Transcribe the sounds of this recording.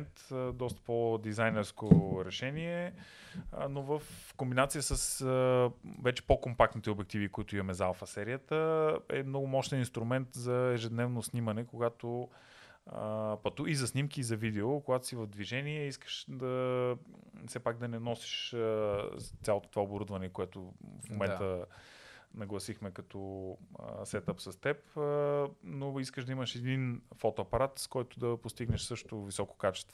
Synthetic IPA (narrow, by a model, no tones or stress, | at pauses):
nt̪d̪ɔst̪ə̥pod̪izajnɛɾskoɾɛʃɛniɛ | novəfkombinat̪sijəsəsəvɛt͡ʃɛ̥pokompak̚t̪nit̪ɛobɛk̚t̪ivikʊit̪ʊimɐmɛzalˠfɐsɛɾijət̪əɛ̰mnɔɡʊmɔʃt̪ɛninst̪ɾʊmɛnt̪zɐɛʒɛd̪nɛvnosnimɐnɛkoɡat̪o | pɐt̪uizɐsnimk̟iːzɐvid̪ɛokoɡat̪o̥sivəvd̪viʒɛniɛiskə̥ʃd̪ɐ | sɛpak̚d̪ɐnɛnɔsi̥ʃ | t̪sʲalˠot̪o̥t̪ovaoboɾud̪vɐnɛkoɛt̪ʊfmomɛnt̪ə | nɐɡlˠɐsixmɛkɐt̪ɔəsɛt̪əpsɐst̪ɛpənoiskəʃd̪ɐimɐʃɛd̪infɔt̪oɐpɐɾat̪skɔjt̪ʊd̪ɐpost̪iɡnɛʃsɤʃt̪ovisɔko̥kat͡ʃɛ̥st̪vo